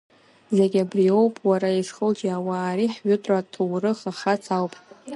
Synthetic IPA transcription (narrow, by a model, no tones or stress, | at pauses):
zeɡʲabrio̞wpʼwaɾaiʂχəld͡ʒʼiawaːɾiħɥʊtʼatʰuwrɨχaχat͡sʰawpʼ